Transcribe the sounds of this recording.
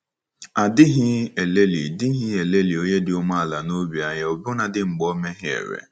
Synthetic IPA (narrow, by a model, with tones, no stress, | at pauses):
a˨dɪ˦ɦɪ˦e˨le˦lḭ˨dɪ˦ɦɪ˦e˨le˦li˨o˦ɲe˦dɪ˦ʊ˦ma˦a˨la˨no˦bi˨a˨ɲa˨o˨bʊ˦na˨dɪ˦ŋ͡m̩˨ɡ͡bɔ˦me˦ɦɪ˦ḛ˨ɾḛ˨